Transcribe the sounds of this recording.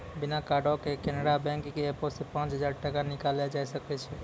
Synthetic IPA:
binakaɖokekenəɽabɛ̃ŋkkeːposepãt͡ʃɦəd͡ʒaɾʈəkanikalɛd͡ʒajsəkɛt͡ʃʰɛ

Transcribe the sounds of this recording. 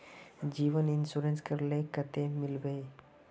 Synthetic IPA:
d͡ʑiʋəninsuɾenskəɾlekət̪emilbej

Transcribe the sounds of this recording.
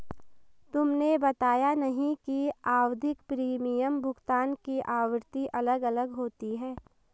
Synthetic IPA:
t̪ʊmnebɐt̪aːjanɐɦĩkiaːwd̪ʱɪkpɾiːmijəmbʱʊɡt̪aːnkiʔaːʋəɾt̪iʔɐləɡɐləɡɦoːt̪iɦɛː

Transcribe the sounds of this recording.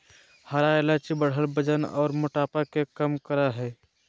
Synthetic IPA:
həɾaelat͡ʃibəɽ̤əlbəd͡ʒənɔ̰ːɾmʊʈaːpakekəmkəɾaɦɛ

